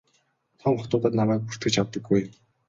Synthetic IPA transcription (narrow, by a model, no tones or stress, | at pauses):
t̪ʰɔŋχɔt̪ʊːt̪ə̆ːt̪namæːk̚pu̥r̥t̪ɘ̆t͡ɕʰawt̪ə̆ɡːuj